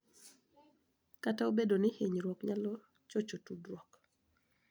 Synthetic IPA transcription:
kataobedonɪheɲɾwɔkɲalɔ | t͡ʃot͡ʃotudrwɔk

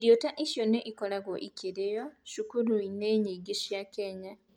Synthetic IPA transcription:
ɾjotaʔiʃjoneʔikolaɣoʔikiɾejoʃukuɾuineːɲiɡiʃjakeɲa

